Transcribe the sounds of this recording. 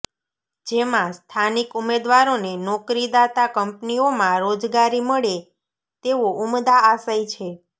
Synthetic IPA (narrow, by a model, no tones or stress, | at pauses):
d͡ʒemãst̪ʰanikumed̪ʋaɾonenɔkɾid̪at̪akəmpniomãɾod͡ʒɡaɾiməɭe | t̪eʋoʔumd̪aːsait͡ʃʰe